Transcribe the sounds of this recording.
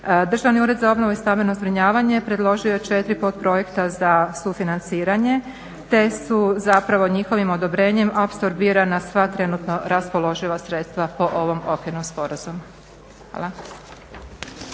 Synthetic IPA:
d̪r̩ʒaʋniuːɾe̞d̪zao̞bno̞ʋuist̪amenozbɾiɲaːʋaɲe̞pɾe̞d̪lˠo̞ʒio̞jet͡ʃe̞t̪ɾipot̪̚pɾo̞je̞kt̪azasufinant̪siːɾaɲe̞ | t̪e̞suzapɾaʋo̞ɲixo̞ʋimo̞d̪o̞bɾe̞ːɲe̞mapsoɾbiːɾanasʋat̪ɾe̞nut̪no̞ɾaspo̞lˠo̞ʒilasɾe̞t̪st̪ʋapo̞ʔo̞ʋo̞mo̞kenomspo̞ɾazumu | a̰ːlˠa

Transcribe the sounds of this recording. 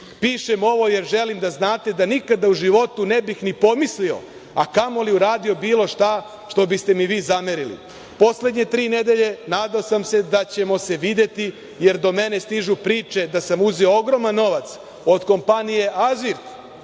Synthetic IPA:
piːʃemo̞ʋo̞je̞ɾʒe̞limd̪aznaːt̪e̞d̪anikad̪auʒiʋo̞t̪unebixnipo̞mislio̞̰ | akamo̞liuɾaːd̪io̞biːlˠo̞ʃt̪a | ʃt̪o̞bist̪e̞miʋiːzameɾilḭ | po̞sle̞d̪ɲe̞t̪ɾiːned̪e̞ʎe̞naːd̪aosamse̞d̪at͡ɕe̞mo̞se̞ʋid̪e̞t̪i | je̞ɾd̪o̞me̞ne̞st̪iʒupɾiːt͡ʃe̞d̪asamuziooɡɾo̞manːo̞ʋat̪s | o̞d̪ko̞mpanije̞ʔaziɾt̪

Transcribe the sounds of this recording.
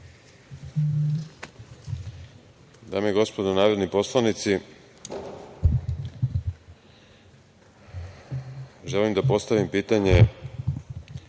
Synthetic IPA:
d̪aːmeiɡo̞spo̞d̪onaːɾo̞d̪nipo̞slˠanit̪si | ʒelimd̪apo̞st̪aʋimpiːt̪aɲe

